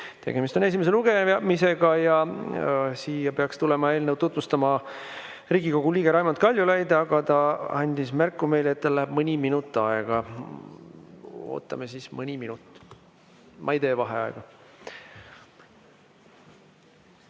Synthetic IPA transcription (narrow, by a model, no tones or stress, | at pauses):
t̪eɡ̥e̞mist̪o̞ne̞s̬ʲimese̞luɡ̥e̞mise̞ɡ̥ɑjɑ | siːjɑpe̞ɑkst̪ulemɑeːlnewt̪ut̪ˑmust̪ɑmɑ | riːɡiko̞ɡ̥uliːɡe̞ɾɑjmɑnt̪̚kɑlʲjulæjd̪ɑɡ̥ɑt̪ɑɑnʲd̪̥ismærkːˑume̞jleet̪ːt̪ɑlæɦeb̥mɯnʲiminut̪ːˑɑeɡ̥ɑ | o̞̰ːt̪ːˑɑ̰mesismɨnʲiminut̪ːˑ | mʔɑjd̪e̞ːvɑɦeɑ̰ḛɡ̥ɑ